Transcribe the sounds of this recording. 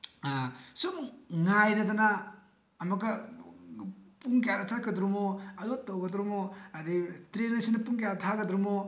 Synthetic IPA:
sumŋajɾɐdanaː | mɐka | puŋkejaɾɐt͡ʃat̚kɐdɾumoɐdotowɡɐdɾumoɐditɾenesinɐpuŋkejaɾɐtʰaɡɐdɾumo

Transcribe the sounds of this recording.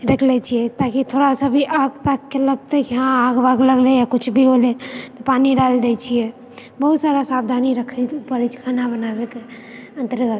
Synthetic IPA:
ɾəkʰlɛt͡ʃʰijɛt̪akit̪ʰoɾasəbʱiʔaɡt̪akːeləɡt̪ekɦãaɡbaɡləɡlejakʊt͡ʃʰbʱiɦolet̪ɔpaniɖald̪ɛt͡ʃʰijɛ | bəɦut̪saɾasab̚d̪ʱaniɾəkʰət̪pəɾit͡ʃʰkʰanabənabeke | ənt̪əɾɡət̪

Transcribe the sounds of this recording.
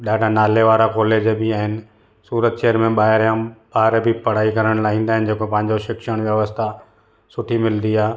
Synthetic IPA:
ɗaːɖʱanaːleʋaːɾakoːled͡ʑbɪaːɦɪnɪ̆ | suːɾət̪ʃeːəɾmẽɓaːɦɪɾjãɓaːɾbʱɪpɐɽ̤aːikɐɾəɽ̃laːɦĩːn̆d̪aːɪnɪ̆d͡ʑeːkopɐ̃ɦɪ̃ɲd͡ʑoʃɪkʃəɽ̃ʋjəʋəst̪ʰa | sʊʈʰimɪld̪iaː

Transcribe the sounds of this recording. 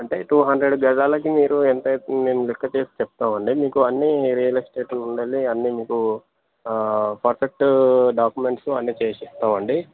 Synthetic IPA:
ɐɳʈe̞ːʈuːɦɐnd̪ɾeɖɡɐd͡ʒ̪aːlɐk̬imiːɾuent̪ɐme̞ːmulikːɐt͡ʃeːsi̥t͡ʃɛp̚t̪aːmɐɳɖimiːkuɐnːiɾijɐliksʈeːʂɐnuɳɖɐlːiɐnːimiːku | pʰɐɾsɐʈɖaːkjume̞ɳʈsuɐnːit͡ʃeːsist̪aːmɐɳɖi

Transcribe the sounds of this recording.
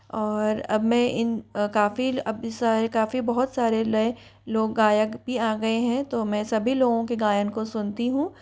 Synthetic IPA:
ɔːɾɐ̰bmɛ̃ʔɪnkaːfiɐbsaːɾekaːfibɐɦʊt̪saːɾelɐe | loːɡːaːjəɡbʱiaːɡɐeɦɛ̃t̪omɛ̃sɐbʱiloːɡõkeɡaːjənkosʊnt̪iɦũ

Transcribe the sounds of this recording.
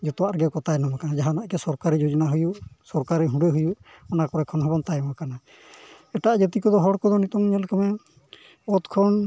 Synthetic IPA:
d͡ʒɔt̪ɔwaʔɾɡɛkɔt̪ajnɔmakanad͡ʒaɦanaʔkɛsɔɾkaɾid͡ʒod͡ʒɔnaɦujuʔsɔɾkaɾiɦũɖeɦujuʔɔnakɔɾɔɛkʰɔnɦɔbɔnt̪ajmakana | ɛʈad͡ʒɛt̪ikɔd̪ɔɦɔɽkɔd̪ɔnit̪ɔŋɲɛlkɔmɛ | ɔt̪kʰɔn

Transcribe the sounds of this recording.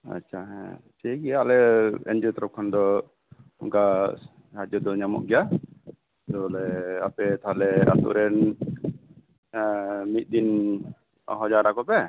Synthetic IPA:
a̰t͡ʃʰaɦɛsɛɡɛjalɛɛ̰nd͡ʒɔt̪ɔɾɔkʰand̪ɔ | ɔŋɡa | had͡ʒɔd̪ɔɲamɔ̰ʔɡɛa | d̪ɔlɛapɛt̪aɦalɛa̰t̪ṵʔɾɛn | mit̪̚d̪in | ɔ̰ɦɔd͡ʒaɾakɔpɛ

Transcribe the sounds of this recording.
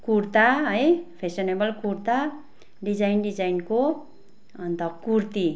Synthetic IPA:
kurt̪aɦʌjpʰesonebʌlkuɾt̪a | ɖid͡zajnɖid͡zajnko | ʌnt̪ʌkurt̪i

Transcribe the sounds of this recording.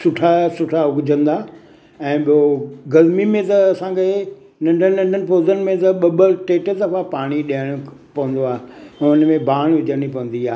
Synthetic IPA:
sʊʈʰasʊʈʰaʊɡʊd͡ʑə̃nd̪aː | ɛ̃ːɓioɡɐzmimẽt̪ɐɐsãkʰe | nɐ̃ɳɖʱənnɐ̃ɳɖʱənɪ̆poːzənɪ̆mẽt̪ɐɓɐbəʈeːʈəd̪ɐfapaːɽ̃iɗijəɽ̃ʊpɐʋə̃nd̪oaːɦeɛ̃ʊnmẽbaːɽ̃ʋɪd͡ʑəɽ̃ipɐʋə̃n̆d̪iaː

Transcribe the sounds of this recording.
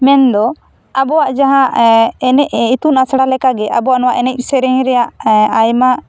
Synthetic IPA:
mɛnd̪ɔ | abɔwaʔd͡ʒaɦãʔɛnɛʔit̪unasɽalɛkaɡɛabɔwaʔnɔwaʔɛnɛc̚ˀsɛɾɛŋɾɛjaʔajma

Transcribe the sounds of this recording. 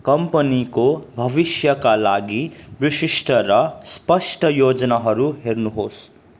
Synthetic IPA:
kʌmpənikobʱʌbisjʌkalaɡibisisʈʰʌɾʌspʌsʈʰʌjod͡znaɦʌɾuɦeɾnuɦos

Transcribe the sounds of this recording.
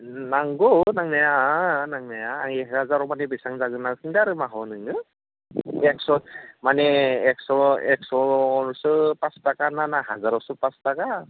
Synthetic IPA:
naŋɡɔnaŋnajanaŋnajaːɛɦazaɾɔmanɛbisaŋzaɡɯnakɯŋdaɾɯmaɦɔnɯŋɡɯ | ɛksɔmanɛɛksɔɛksɔɹsɯpastakananaɦazaɾɔsɔpastaka

